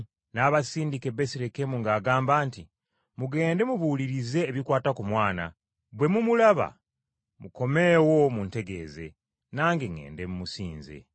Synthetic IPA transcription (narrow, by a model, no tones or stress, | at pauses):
naːβasiːndike̞βesiɾe̞ke̞muŋɡaːɡaːmbaːnti | muɡe̞ːnde̞muβuːliɾize̞ːβikwaːtakumwaːna̰ | bwe̞mumulaβa̰ | muko̞me̞ːwo̞munteɡe̞̰ːze̞̰ | naːŋɡeŋːe̞̰ːndemumusḭːnze̞̰